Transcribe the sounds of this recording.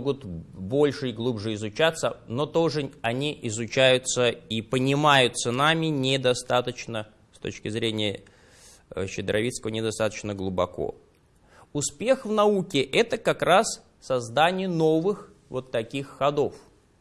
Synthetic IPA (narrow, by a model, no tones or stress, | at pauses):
ɡʊt̪bo̞lʲʂɨɪɡlˠubʐɨɪzʊt͡ɕat̪sːəno̞t̪o̞ʐɨɐnʲiʔɪzʊt͡ɕæjʊt̪səipənʲɪmajʊt̪sənamʲɪnʲɪd̪ɐst̪at̪ət͡ɕnə | st̪o̞̰t͡ɕkʲɪzɾʲenʲɪjə | ɕɪd̪ɾʔɐvʲit̪skəvənʲɪd̪ɐst̪at̪ə̥t͡ɕnəɡlˠʊbɐko̰ | ʊspʲe̞xvnɐukʲɪʔɛt̪əkɐkɾas | sɐzd̪anʲɪjəno̞vɨx | vo̞t̪ːɐkʲixːɐd̪o̞f